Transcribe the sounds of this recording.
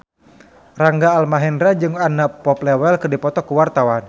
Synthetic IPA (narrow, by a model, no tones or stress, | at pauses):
raŋɡaːlmaɦɛndɾad͡ʒɨŋanapɔp̚lɛwɛlkɨrdipɔt̪ɔkuwart̪awan